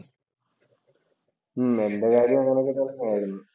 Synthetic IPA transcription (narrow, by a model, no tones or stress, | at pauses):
me̞ndekaːɾjɐmɐŋːɐnekːet̪ːolkːɐmaːjiɾunːu